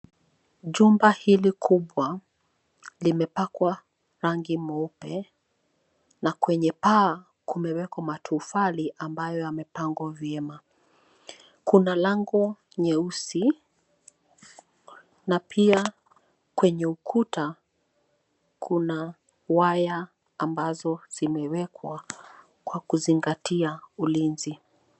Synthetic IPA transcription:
ʄumbahilikʰuɓwa | limɛpakwa | ɾaŋɡimɔupɛ | nakwɛɲɛpaː | kumɛwɛkamatʰufaliʔambajɔjamɛpaŋɡwavjɛma | kunalaŋɡɔ | ɲɛusi | napʰia | kwɛɲɛukʰuta | kʰuna | wajaː | mbazɔz̥imɛwɛkwa | kwakuziŋɡatʰiaulinzi

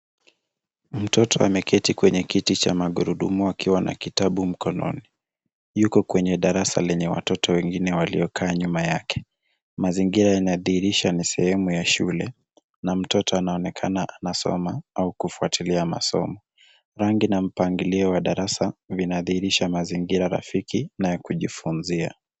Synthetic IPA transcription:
m̩tʰɔtʰɔa̰mɛkʰɛtikwɛɲɛkitit͡ʃamaɠuɾuɗumuakʰiwanʔa̰kitaɓum̩kɔnɔ̰ni | jukɔkwɛɲɛɗaɾasa̰lɛɲɛwa̰tɔtʰɔwɛŋɡinɛwalḭɔkʰaːɲumajakʰɛ̥ | maziŋɡiɾajanaðihiɾiʃanisɛhɛmujaʃulɛ | nam̩tɔtɔanaɔnɛkʰanaʔanasɔ̰maaukufuatiliama̰sɔ̰mɔ | ɾaŋɡinam̩paŋɡiliɔwaɗaɾasavinaðihiɾiʃamaziŋɡiɾaɾa̰fikinajɛkuʄifunzia̰

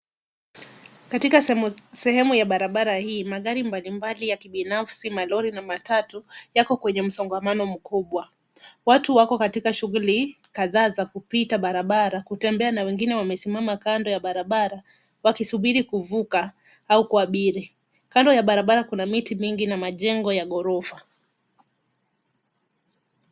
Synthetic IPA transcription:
katikasɛhɛmujaɓaɾaɓaɾahiːmaɠaɾimbalimbalijakiɓinafsimalɔɾinamatatujakɔkwɛɲɛm̩sɔŋɡamanɔm̩kuɓwa | watuwakɔkatikaʃuɣuli | kaðaːzakupitaɓaɾaɓaɾakutɛmbɛanawɛŋɡinɛwamɛsimamakandɔjaɓaɾaɓaɾa | wakisuɓiɾikuvuka | aukuaɓiɾi | kandɔjaɓaɾaɓaɾakunamitimiŋɡinamaʄɛŋɡɔjaɠɔɾɔfa

